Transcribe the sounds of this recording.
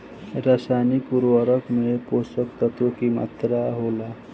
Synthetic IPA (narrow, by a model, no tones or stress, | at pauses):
ɾasanikuɾʋəɾəkmeposək̚t̪ət̪okima̰t̪ɾaɦola